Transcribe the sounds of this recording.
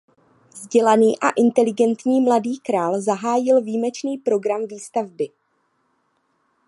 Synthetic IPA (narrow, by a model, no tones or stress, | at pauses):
vzɟɛlaniːʔaʔɪnt̪ɛlɪɡɛnt̪ɲiːmladiːkɾaːlzaɦaːjɪlviːmɛt͡ʃniːpɾo̞ɡɾamviːst̪avbɪ